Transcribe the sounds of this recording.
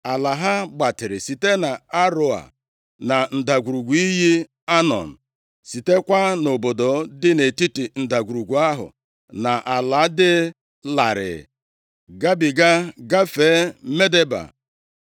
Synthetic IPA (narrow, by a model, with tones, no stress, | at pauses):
a˨la˨ɦa˦ɡ͡ba˨tɪ˨ɾɪ˨si˨te˦na˨a˦ɾo˦a̰˨ | na˨n̩˨da˨ɡʷu˨ɾu˨ɡʷu˨˦i˦ɦi˦ | a˦nɔ̰˨n̩˨ | si˨te˦kʷa˦no˨bo˨do˨dɪ˦ne˨ti˦ti˨n̩˨da˨ɡu˨ɾu˨ɡʷu˨a˦ɦʊ̰˨ | na˨ʔa˨la˨˦dɪ˦ | la˨ɾɪ̰˨ | ɡa˦bi˨ɡa˦ɡa˦fe˨˦me˦de˦ba̰˨